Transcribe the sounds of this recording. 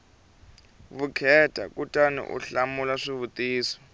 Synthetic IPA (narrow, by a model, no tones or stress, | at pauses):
βukʰɛtʼa̰kutʼanḭʔṵɬamulaʂiβut̪ʼiːsɔ̥